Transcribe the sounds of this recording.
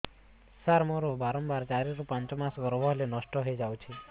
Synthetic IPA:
saɾmoɾobaɾɔmbaɾt͡ʃaɾiɾupãnt͡ʃmasɡɔɾbɔɦlenɔʃʈɔɦɔjd͡ʒawt͡ʃʰi

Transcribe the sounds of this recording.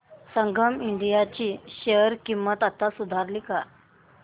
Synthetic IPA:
səŋɡʱəmiɳɖijat͡ɕiːɕeəɾkimːət̪at̪asud̪ʱaɾlika

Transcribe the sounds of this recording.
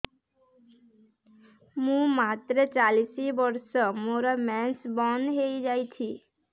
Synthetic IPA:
mũmaːt̪ɾət͡ʃaːlisibəɾsɔmoːɾamɛ̃nsbɔnɦeid͡ʒaːit̪ʰiː

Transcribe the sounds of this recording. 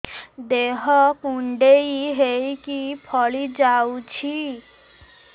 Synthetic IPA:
d̪eɦɔkuɳɖejɦejkipʰɔɭid͡ʒawt͡ʃʰi

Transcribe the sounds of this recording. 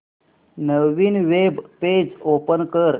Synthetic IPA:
nəʋʋinʋebped͡ʒopənkəɾ

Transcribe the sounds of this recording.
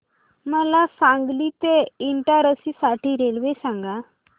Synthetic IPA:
məlasãŋɡliːt̪eiɳʈaɾəsiːsaʈiːɾelʋesaŋɡa

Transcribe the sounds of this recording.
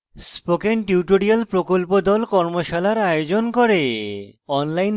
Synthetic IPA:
spokenʈiuʈoɾialpɾokolpod̪ɔlkɔɾmoʃalaɾajod͡ʑonkoɾe | ɔnlajn

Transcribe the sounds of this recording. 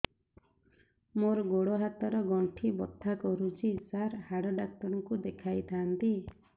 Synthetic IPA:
moɾɔɡoɽɔɦat̪ɔɾɔɡɔɳʈʰibɔt̪ʰːakɔɾut͡ʃʰisaɾhaɽɔɖak̚t̪ɔɾɔkud̪ekʰajt̪ʰant̪i

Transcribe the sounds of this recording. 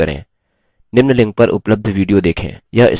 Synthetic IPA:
ɐɾḛ̃ː | nɪmnəlɪ̃ŋɡ̚pɐɾʔʊ̰pləb̚d̪ʱʋiːɖijod̪eːkʰḛ̃ːjaʔɪ̰s

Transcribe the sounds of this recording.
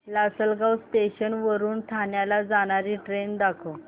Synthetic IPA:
lasəlɡawsʈeɕənʋəɾuːnt̪ʰanjalad͡zaɽ̃aɾiːʈɾend̪akʰo

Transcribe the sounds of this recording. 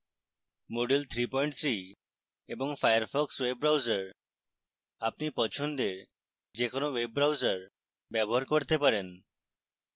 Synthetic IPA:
moɖilt̪ʰɾipɔiɳʈt̪ʰɾi | eboŋfajaɾfɔkswebɾawd͡ʒaɾ | apnipɔt͡ɕʰond̪eɾ | d͡ʒekonowebɾawzaɾ | bɛboɦaɾkoɾt̪epaɾen

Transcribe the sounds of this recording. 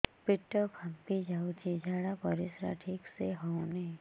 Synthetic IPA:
pɪʈːəkʰɐmpid͡ʒaːut͡ʃid͡ʒʱaːɽapəɾɪsɾa̰ʈʰiːkseɦɔnẽ

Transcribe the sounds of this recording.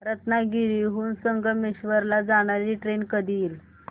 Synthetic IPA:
ɾət̪naɡiɾiɦuːnsəŋɡəmiɕʋəɾlad͡zaɽ̃aɾiːʈɾenkəd̪ʱiːl

